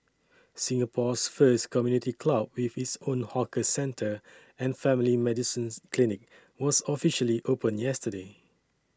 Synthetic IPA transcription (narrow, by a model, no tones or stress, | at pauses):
sĩŋəpʰɔsfəstkʰɔmjunitikʰlab̚wifhitsõnhɔkəsɛ̃ntʰə | ɛ̃nfɛ̃milimɛdisĩnkʰlinɪk̚ | wɔsɔfiʃəliʔopə̃njɛstəde